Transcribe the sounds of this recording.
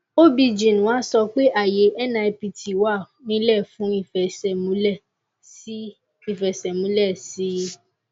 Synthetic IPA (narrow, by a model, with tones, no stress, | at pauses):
o˦bi˧d͡ʒĩ˨nũ˨wa˦sɔ˧k͡pe˦ʔa˦˨je˨˦ʔɛ˦nã˧e˧pi˧tʰi˨wa˦˨ | nĩ˦lɛ˦˨fũ˨˦i˦˨fɛ˨sɛ˨mũ˨˦lɛ˦˨ | si˦ | i˦˨fɛ˨sɛ˨mũ˦lɛ˦˨si˨˦